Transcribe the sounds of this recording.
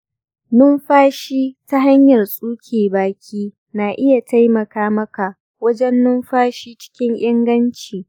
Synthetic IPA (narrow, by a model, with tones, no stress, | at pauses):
nʊ˦mɸaː˦ʃiː˦ta˦ɦa˦ɲjɐ˨rsʼuː˦kʲʰeː˨baː˨kʲʰiː˦ | naː˨ʔɪ˦ja˨ta˦jmɐ˨kaː˦mɐ˦ka˨ | wɐ˦d͡ʒɛ˦nːʊ˦mɸaː˦ʃiː˦t͡ʃɪ̥˦kʲɪ˦ŋʔɪ˦ŋɡɐ˦nt͡ʃiː˨